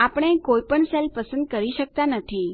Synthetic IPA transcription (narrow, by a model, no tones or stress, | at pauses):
apəɽ̃ẽkojpəɳselpəsənd̪̚kəɾiɕək̚t̪anət̪ʰi